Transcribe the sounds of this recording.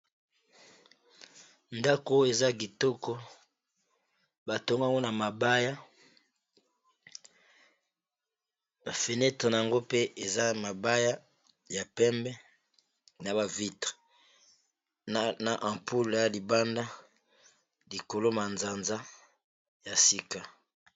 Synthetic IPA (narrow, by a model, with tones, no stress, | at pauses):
nda˦ko˦e˨za˦ɡ̬i˨to˦kɔ˦ | ba˨to˦ŋɡa˦ŋɡo˦na˨ma˨ba˦ja˦ | a˨fe˨nɛ˦tʁe˨na˨ja˨ŋɡo˦pe˦e˨za˦ma˨ba˦ja˦ | ja˨pɛ˦mbɛ˦ | na˨ba˨vi˦tʁe̥˨ | na˨ʔã˨mpu˦lja˨li˨ba˦nda˦ | li˨ko˨lo˦ma˨nza˨nza˦ | ja˨si˦ka˦